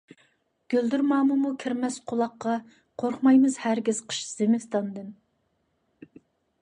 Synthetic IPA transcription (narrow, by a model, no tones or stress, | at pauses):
ɡ̥ʲøld̪yɾmɑːmɨmukʲʰiɾmɛsqʰolˠɑqːɑ | qʰoɾχmɑjmɨzhæɾɡʲɪz̥qʰə̥ʃz̥emɪst̪ɑnd̪ɨn